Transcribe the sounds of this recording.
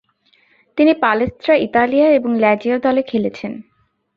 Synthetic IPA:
t̪inipalest̪ɾaʔit̪alijaeboŋlɛd͡ʑiod̪ɔlekʰelet͡ɕʰen

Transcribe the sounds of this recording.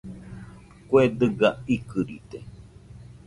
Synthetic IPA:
kwed̪ɨɡaikɨɾḭt̪e

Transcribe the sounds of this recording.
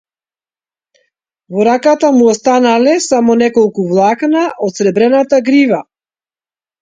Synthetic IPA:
vɔɾakat̪amuɔst̪analɛsamɔnɛkɔlˠkuvlˠaknaʔɔt̪sɾɛbɾɛnat̪aɡɾiva

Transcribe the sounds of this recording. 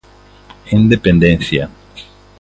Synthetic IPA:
ind̪epẽnd̪ẽn̟θja

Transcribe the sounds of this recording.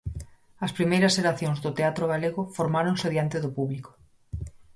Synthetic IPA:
ɐspɾimejɾɐseɾaθjõŋzðʊt̪eat̪ɾoɣaleɣʊfoɾmaɾoŋseðjant̪eðʊpuβliko̥

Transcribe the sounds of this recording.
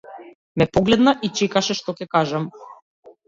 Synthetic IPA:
mɛpɔɡlɛd̪naʔit͡ʃɛkaʃɛʃt̪ɔcʲɛkaʒam

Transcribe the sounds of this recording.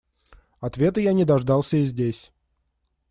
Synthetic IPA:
ɐt̪vʲe̞t̪ɨjanʲɪd̪ɐʐd̪ɑlˠsʲəizʲdʲesʲ

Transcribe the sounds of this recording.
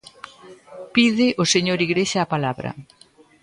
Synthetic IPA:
piðɪʔʊseɲoɾiɣɾeʃaːpalaβɾɐ̰

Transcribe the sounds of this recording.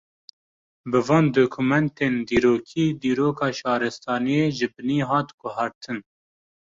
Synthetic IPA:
bɨvɑːnd̪okʰumɛnt̪eːnd̪iːɾoːkʰiːd̪iːɾoːkʰɑːʃɑːɾɨst̪ʰɑːnijeːʒɨbɨniːɦɑːt̪ɡʊɦɑːɾt̪ʰɨn

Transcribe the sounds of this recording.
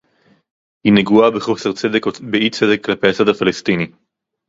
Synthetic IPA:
hineɡuabeχo̞seʁt͡sedekbeit͡sed̪e̞kːlape̞jat͡sad̪afalest̪ini

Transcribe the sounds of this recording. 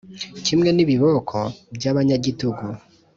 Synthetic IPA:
cimŋe̞niβiβo̞kʰobjaβaɲaɟituɡu

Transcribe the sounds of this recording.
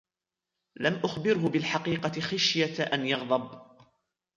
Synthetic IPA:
lamʔʊxbɪɾɦʊbɪlħɑqiːqɑɪxaʃjaʔanjɑɣd̪ˤɑb

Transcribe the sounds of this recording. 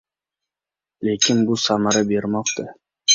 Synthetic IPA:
lekʲɪnbʊsamaɾabeɾmɒqt̪a

